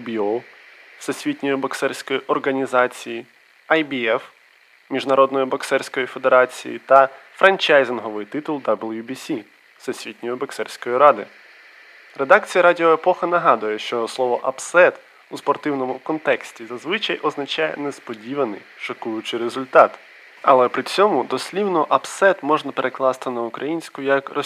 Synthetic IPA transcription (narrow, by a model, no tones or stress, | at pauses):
bʲiɔsɔsʲʋʲitʲnʲɔjʊbɐksɛrʲsʲkɔjiʔɔrɦɐnʲizɑt͡sʲiji | ɐjbʲiɛf | mʲiʒnɐɾɔd̪nɔjʊbɐksɛrʲsʲkɔjife̞d̪eɾɑt͡sʲḭjḭt̪ɐfɾʔɐnʲt͡ʃajzɪnɦɔʋɪjt̪ɪt̪ʊlˠd̪ablˠjubʲisʲi | sɔsʲʋʲit̪ʲnʲɔjʊbɐksɛrʲsʲkɔjiɾɑd̪ɪ | re̞d̪ɑkt͡sʲijɐɾadʲiɔepɔxɐnɐɦɑd̪ʊjɛʃt͡ʃɔslˠɔʋɔʔɐpsɛt̪ | uspɔrt̪ɪwnɔmʊkɔnt̪ɛksʲtʲizɐzʋɪt͡ʃɐjʔɔznɐt͡ʃɑjɛ̰nespɔdʲiʋɐnɪ̰jʃɐkujʊt͡ʃɪɾezʊlʲt̪ɑt̪ | ɐ̰lˠɛpɾɪt͡sʲɔmʊd̪ɔsʲlʲiwnɔʔɐpsɛt̪mɔʒnɐpeɾʔeklˠɑst̪ɪnɐʊkɾɐjinʲsʲkʊjɐkrɔ